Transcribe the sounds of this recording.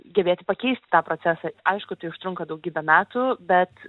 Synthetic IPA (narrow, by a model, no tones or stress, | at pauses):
ɡʲɛbʲeːt̪ʲɪpɐkʲɛɪsʲt̪ʲɪt̪ɑːpɾoːt͡ssʲæːsɑʔɐɪʃkʊt̪ɐɪʊʃt̪ɾʊŋkɐd̪ɐʊkɡʲiːbʲɛmʲæːt̪uːbʲɛt̪